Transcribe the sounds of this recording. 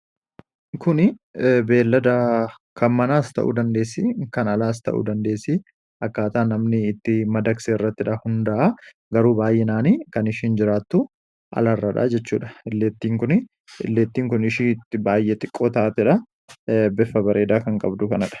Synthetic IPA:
kʊnɪbe̞ːlːɐd̪ɐ | kɐnmɐnaːst̪ɐ̰ʔṵd̪ɐnd̪e̞ːsːɪkɐnɐlaːs̬t̪ɐ̰ʔṵd̪ɐnd̪e̞ːsːɪ | ɐkːaːt̪aːnːɐmnɪːt̪ːɪmɐd̪ɐkseːɪrːɐt̪ːɪᶑɐhʊnd̪ɐʔa | ɡɐɾuːbaːjːɛnaːniːkɐnɪʃiːnd͡ʒɪɾaːt̪ːʊ | ʔɐ̰lɐrːɐᶑa̰ːd͡ʒɛt͡ʃːuːᶑɐɪlːeːt̪ːiːŋkʊnɪ | ɪ̰lːeːt̪ːiːŋkʊnɪʃiːt̪ːɪbaːjːɛt̪ʼɪkʼːoːt̪ɐʔat̪ːɛᶑɐ | bɛfːɐbɐɾʔe̞ːd̪aːkɐŋkʼɐbd̪ʊkɐnɐᶑɐ̥

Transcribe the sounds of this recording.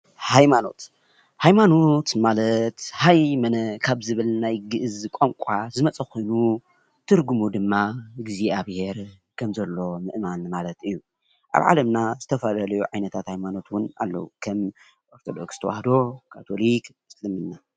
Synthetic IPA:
hajmano̞̰t̪ | hajmano̞t̪malɐt̪hajmɐnɐkʰaβzɨβɨlnajɡɨʔɨzkʼomkʷʼazɨmɐt͡sʼɐxojnu | t̪ʰɨɾɡumud̪ɨmːaɡiziʔaβheɾ | kʰɐmzɐlːo̞mɨʔmanmalɐt̪ɨjːu | ʔa̰βʕa̰lɐmnaz̥ɨt̪ʰɐfɐlɐlɐjuʕajnɐt̪ʰat̪hajmano̞t̪wʊna̰lːɐ̰wukʰɐm | ʔo̞ɾt̪ʰo̞d̪o̞̰kst̪ʰɐwa̰hd̪o̞kʰat̪ʰo̞lik | slɨmɨnna

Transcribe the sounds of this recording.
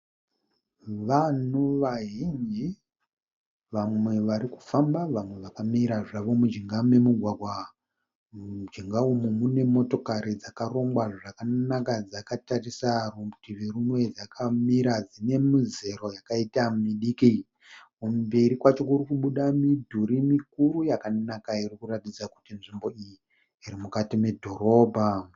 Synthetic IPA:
ʋanoʋaɦind͡ʒi | ʋamwe̞ʋaɾiku̥fambaʋamwe̞ʋakamiɾaʐaʋo̞mud͡ʒiŋɡame̞muɡʱwaɡʱwa | d͡ʒiŋɡaumumune̞mo̞to̞kaɾid͡zakaro̞mɡwaʐakanakad͡zakatarisarumbutiʋirumwe̞d͡zakʰamiɾad͡zine̞mize̞ɾo̞jakaitamiɗiki | kumbe̞ɾikwat͡ʃo̞kurikuɓuɗamidʱuɾimikuɾujakanakairikuratid͡zaku̥tinʐimbo̞ijiː | ɾimukatime̞dʱo̞ɾo̞ːbʱa

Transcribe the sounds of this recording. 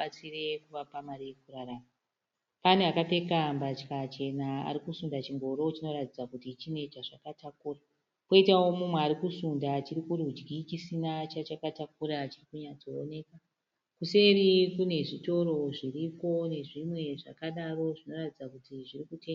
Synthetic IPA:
at͡sire̞kuʋapamaɾikuraɾaːma | paneakape̞kambat͡ʃkat͡ʃe̞naa̰ɾikusundat͡ʃiŋɡo̞ɾo̞t͡ʃino̞ratid͡zakutit͡ʃine̞t͡ʃaʐakatakuːra | koitawo̞mumweaɾikusundat͡ʃiɾikurud͡ʒɡit͡ʃisinat͡ʃat͡ʃakatak̚uɾat͡ʃirikuɲat͡so̞ːne̞ka | kuse̞rikune̞ʐito̞ɾo̞ʐiripo̞ne̞ʐimwe̞ʐa̰kaɗaro̞ʐino̞ratid͡zakutiʐirikute

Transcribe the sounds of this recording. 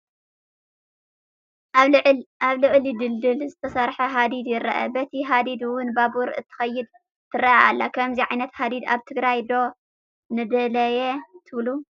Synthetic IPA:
aβlɨʔʼlɪd̪ɨld̪ɨlzɨt̪ʰɐsɐɾħɐɦad̪id̪jɪɾɐʔɐ̰bɐt̪ʰiɦad̪id̪wʊnbabuɾʔɨt̪ʰːɨ̥xɐjːɪd̪ | t̪ʰɨrɐʔalːakʰɐmziʕajnɐt̪had̪id̪a̰βt̪ʰɨɡɾajd̪o̞ | nɨd̪ɐlɐjɛt̪ʰɨβlu

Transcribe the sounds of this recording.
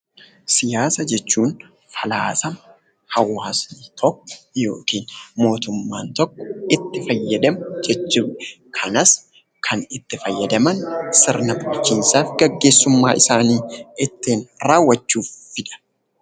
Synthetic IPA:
sɪjaːsɐd͡ʒɛt͡ʃːuːn | fɐlaːsɐm | hɐwːaːst̪ʰɔkːɔ̥jo̞̰ːkiːnmo̞ːt̪ʊmːaːnt̪ɔkːɔ̥ɪt̪ːɪfɐjːɐd̪ɐmʊd͡ʒɛt͡ʃːuːɛ | kʰɐnɐs | kʰɐnɪt̪ːɪfɐjːɐd̪ɐmɐnsɪɾnɐbʊt͡ʃːiːnsaːfɡɐɡːe̞ːsːʊmːa̰ːʔɪsaːniːɪt̪ːeːnɾaːwːɐt͡ʃːuːfːɪᶑɐ̥

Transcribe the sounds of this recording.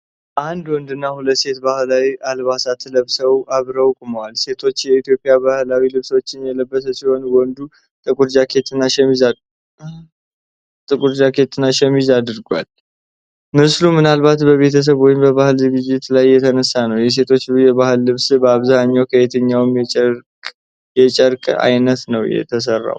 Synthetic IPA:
ʔand̪wɔnd̪ɨnːahulət̪se̞t̪bahlawialβasat̪ʰːələβsəwʔaβɾəwkʼuməwalse̞t̪ʰo̞t͡ʃːjɛit̪jo̞pʼːjabahlawilɨβso̞t͡ʃːɪnjɛləbːəsəsɪho̞nwɔnd̪u | t̪ʼɨkʼuɾd͡ʒakʰe̞t̪ɨnːaʃɛmiz | t̪ʼɨkʼuɾd͡ʒakʰe̞t̪ʰɨnːaʃɛmizad̪ɨɾɡwa̰l | mɨslumɨnalbat̪bəβe̞t̪ʰəs̬əβwɔjɪmbəβahɨlzɨɡɨd͡ʒːɪt̪lajːɛt̪ʰənəsːanəwjɛs̬e̞t̪ʰo̞t͡ʃːjɛβahɨlːɨβsbəaβzaɲːawkʰəet̪ʰəɲːawɨmɛ | jɛt͡ʃʼəɾkʼa̰jnət̪nəwjɛ̰t̪ʰəs̬ərːa̰w

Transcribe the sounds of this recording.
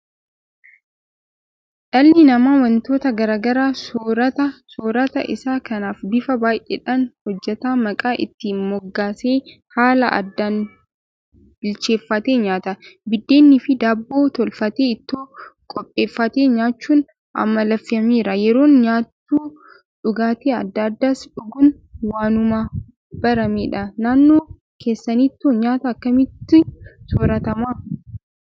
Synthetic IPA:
ᶑɐlːɪnɐmaːwɐnt̪o̞ːt̪ɐɡɐɾaːɡɐɾaːsoːɾɐt̪ɐsoːɾɐt̪ɐʔɪ̰saːkɐnaːfbɪfɐbaːjʔḛᶑanhɔd͡ʒːɛt̪aːmɐkʼaːʔɪ̰t̪ːɪmɔɡːaːse̞ː | haːlɐʔɐ̰d̪ːan | ɪlt͡ʃe̞ːfːɐt̪e̞ːɲaːt̪ɐbɪd̪ːe̞ːnːɪfɪd̪aːbːo̞ːt̪ɔlfɐt̪eːɪt̪ːoːkʼɔpʼːe̞ːfːɐt̪e̞ːɲaːt͡ʃːuːn | ʔɐ̰mːɐlɐfːɪɐmiːɾɐjɛɾo̞ːnɲaːt̪ːuː | ᶑʊɡaːt̪eːɐ̰d̪ːɐːd̪ːaːsᶑʊɡʊn | waːnʊmaː | b̥ɐɾɐmeːᶑɐnaːnːoː | kʰe̞ːsːɐniːt̪ːoɲaːt̪ɐːkːɐmɪt̪ːɪsɔɾɐt̪ɐmaː

